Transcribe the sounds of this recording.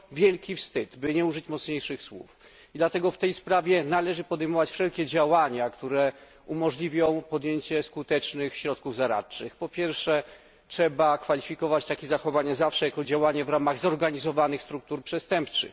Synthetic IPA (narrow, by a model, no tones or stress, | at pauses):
vʲjɛlkʲifst̪ɘd̪bɘɲɛuʐɘt͡ɕmɔt̪sɲejʂɘxswṵf | id̪lat̪ɛɡɔft̪ɛjspɾavʲjɛnalɛʐɘpɔd̪ɛjmɔvat͡ɕfʂɛlkʲɛd͡ʑawaɲakt̪uɾɛ | umɔʐlʲivʲjɔ̃w̃pɔd̪jeɲt͡ɕɛskut̪ɛt͡ʂnɘxɕɾɔt̪kuvzaɾa̰tt͡ʂɘxpɔpʲjɛɾfʂɛ | tʂɛbakfalʲifʲikɔvat͡ɕt̪akʲezaxɔvaɲazafʂɛjakɔd͡ʑawaɲavɾamaɣzɔɾɡaɲizɔvanɘxst̪ɾuk̚t̪uɾpʂɛst̪ɛmpt͡ʂɘ̰x